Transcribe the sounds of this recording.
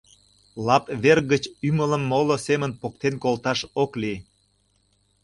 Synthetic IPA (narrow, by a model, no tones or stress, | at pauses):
lɑpβerɣət͡ɕymələmːolosemənpok̚t̪enkolt̪ɑʃokli